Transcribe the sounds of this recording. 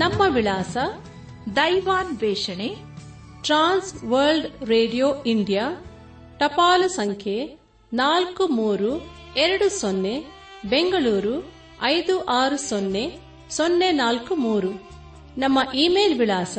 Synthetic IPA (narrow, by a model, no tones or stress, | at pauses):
nɐmːɐʋilaːsɐ | d̪ɐjʋaːnʋɛːʂɐne | ʈɾaːnsʋɐɾlɖɾeːɖijoːiɳɖijaː | ʈɐpaːlusɐŋkʰje | naːlkumuːɾu | eɾɐɽusonːe | be̞ŋɡɐɭuːɾu | ɐjd̪uʔaːɾusonːe | sonːenaːlkumuːɾu | nɐmːɐʔiːmeːlʋiɭaːsɐ